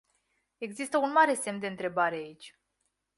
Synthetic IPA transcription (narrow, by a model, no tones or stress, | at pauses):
e̞ɡzist̪əunmaɾe̞se̞mt̪d̪eɨnt̪ɾe̞baɾe̞ait͡ʃʲ